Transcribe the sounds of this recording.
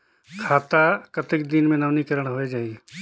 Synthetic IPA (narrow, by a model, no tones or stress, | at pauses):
kʰaːt̪akət̪ɪkd̪ɪnmẽnɐʋnikɐɾəɽ̃ɦoed͡ʒaːiɛ